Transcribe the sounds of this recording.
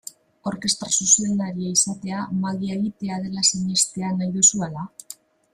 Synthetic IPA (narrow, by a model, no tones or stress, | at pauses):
o̞ɾke̞st̪ɾasuse̞nd̪aɾiaisat̪e̞amaɣieɣit̪e̞að̞e̞lasiɲe̞st̪e̞anajðusuala